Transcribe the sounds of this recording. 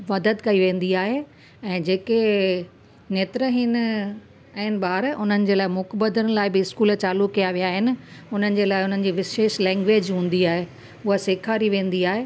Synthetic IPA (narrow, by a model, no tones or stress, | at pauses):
mɐd̪əd̪kɐiʋẽːn̆d̪iaːɦe | ɛ̃ːd͡ʑeːke | neːt̪ɾəɦɪn̆ | ɛɪnɪ̆baːɾʊn̤ənɪ̆d͡ʑeːlaːɪmʊkbəd̪ənɪ̆laːɪbɪɪskuːlt͡ɕaːlukːijaʋijaːɦɪnɪ̆ʊn̤ənɪ̆d͡ʑeːlaːɪʊn̤ənɪ̆d͡ʑiːʋɪʃeːʃlɛ̃ːŋɡʋeːd͡ʑɦũːn̆d̪iaːɦe | ʊɦəseːkʰaːɾiʋẽːn̆d̪iaːɦe